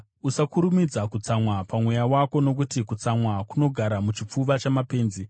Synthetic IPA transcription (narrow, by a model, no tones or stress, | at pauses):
usakuɾumid͡zakut͡samwapamwejawako̞no̞k̬utikut͡samwakuno̞ɡʱaɾamut͡ʃip͡fuʋat͡ʃamape̞ːnzi